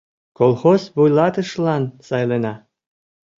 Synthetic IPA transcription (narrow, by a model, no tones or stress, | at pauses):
kolˠxosβujlɑt̪ə̆ʃlɑnsɑjlenɑ